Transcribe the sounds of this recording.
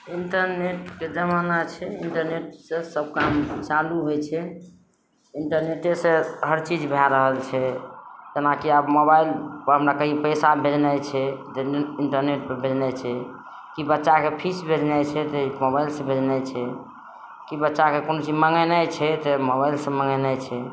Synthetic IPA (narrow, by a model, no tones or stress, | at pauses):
iɳʈəɾneʈked͡ʒəmanat͡ʃʰɛiɳʈəɾneʈsẽsəb̚kamt͡ʃaluɦojt͡ʃʰɛ | iɳʈəɾneʈeseɦəɾt͡ʃid͡ʒbʱaɾəɦəlt͡ʃʰɛd͡ʒ̪enakiəbmoβailɦəmɾakəɦipəjsabʱed͡ʒnɛjt͡ʃʰɛt̪iɳʈəɾneʈ̚pəbʱed͡ʒnɛt͡ʃʰɛ | kibətːʃakepʰisbʱed͡ʒnɛt͡ʃʰɛt̪emobailsẽbʱed͡ʒnɛt͡ʃʰɛ | kibətːʃakekonot͡ʃiməŋənajt͡ʃʰɛt̪emoβailsẽməŋɡənat͡ʃʰɛ